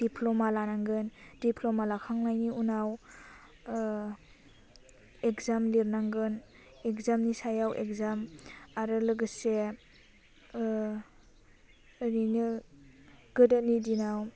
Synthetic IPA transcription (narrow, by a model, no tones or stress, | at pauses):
d̥ipʰlɔmalanaŋɡɯndipʰlomalakʰaŋlajniunaw | ekzamliɾnaŋɡɯn | ekzamnisajawʔḛkzamaɾɯlɯɡɯse | ɾinɯ | ɡɯdanidinaw